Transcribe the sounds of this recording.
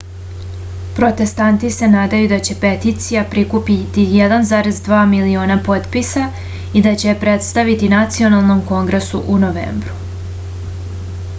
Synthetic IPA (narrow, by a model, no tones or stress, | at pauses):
pɾo̞t̪e̞st̪ant̪ise̞naːd̪ajud̪at͡ɕe̞pe̞t̪it̪sijapɾikupit̪ijed̪anzaːɾe̞zd̪ʋaːmilio̞ːnapo̞t̪pisa | id̪at͡ɕe̞pɾe̞t̪st̪aʋit̪inat̪sio̞nalˠno̞mko̞ŋɡɾesuʔunoʋḛːmbɾu